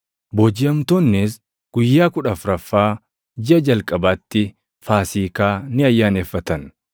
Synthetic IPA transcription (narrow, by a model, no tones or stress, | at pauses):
boːd͡ʒɪɐmt̪oːnːeːs | ɡ̥ʊjːaːkʊᶑɐfɾɐfːaː | d͡ʒɪɐd͡ʒɐlkʼɐbaːt̪ːɪ | faːsiːkaːnɪɐjːaːneːfːɐt̪ɐn